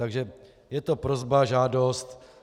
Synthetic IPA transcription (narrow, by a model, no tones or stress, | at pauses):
aɡʒɛ | jɛt̪o̞pɾozbaʒaːdo̞st̪